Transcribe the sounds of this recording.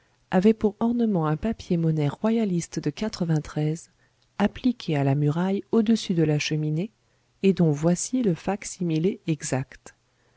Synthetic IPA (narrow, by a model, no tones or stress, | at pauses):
avɛpuʁɔʁnəmɑ̃ɛ̃papjemɔnɛʁːwajalist̪d̪əkat̪χəvɛ̃t̪χɛz | aplikʲʰealamyʁajod̪əsyd̪əlaʃəmineː | d̪ɔ̃vwasiləfaksimileɛɡzakt̪